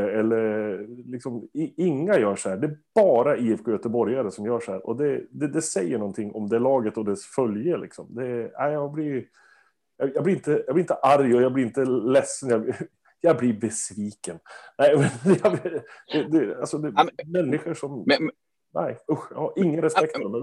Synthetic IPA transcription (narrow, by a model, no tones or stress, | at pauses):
əɛlːəɾlɪksɔmɪɪŋːajœːʂɔhæːɖɛːb̥ɑːɾaiːɛfkʰojœt̪əbɔɾjaɾəsɔmjœːʂɔhæ̰ːɾʔɔ̰d̪ɛd̪ɛd̪ɛsɛjːəɳɔnt̪ʰɪŋːɔmd̪ɛæɭɑːɡət̪ɔd̪ɛsfœljəlɪ̰ksɔmd̪ɛæ̰ɪjɑɡblɪɾ | jɑjɑːɡblɪɾɪnt̪əjɑɡblɪɪnt̪əʔaɾjɔjɑɡb̪ɪɾɪnt̪əlɛsːənjɑ | jɑblɪbɛsviːkənnæɪmɛnjɑbd̪̥ɛd̪ɛalsɔd̪ɛmɛnːɪɧəʂɔm | næ̰ɪʊxjhʔɪŋːənɾɛspɛkt̪fmɛ